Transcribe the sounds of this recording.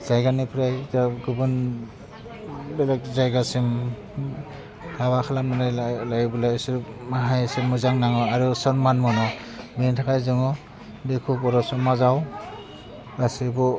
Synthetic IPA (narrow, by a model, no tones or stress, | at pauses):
zajɡanipʰɾajzaɡɯbun | belek̚zajɡasim | kʰaβakʰalamɯnɯjlajbulasɯɾmaɦajsɯmuzaŋnaŋɔaɾusɔnmanmɔnɔ | bentʰakʰajzɯŋɔ | bekʰupɔɾɔsɔmazaw | ɾasibɔ